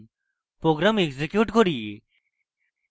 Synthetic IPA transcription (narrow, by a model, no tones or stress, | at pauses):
pɾoɡɾamekzekjuʈkoɾie